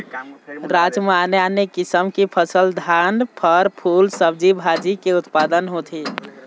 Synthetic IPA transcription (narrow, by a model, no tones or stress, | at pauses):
ɾad͡ʒmaneanekisəmkipʰəsəld̪ʱanpʰəɾpʰulsəb̚d͡ʒibʱad͡ʒikeut̪pad̪ənɦot̪ʰi